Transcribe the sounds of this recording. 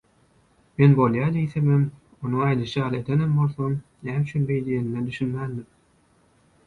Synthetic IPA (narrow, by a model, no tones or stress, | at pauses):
me̞nbo̞lˠjɑːd̪ijθemem | onuŋɑjd̪ɯʃɯjɑːlˠɯe̞d̪enembo̞lˠθonːæːmyt͡ʃʰynbe̞jlejenined̪yʃynmæːnd̪im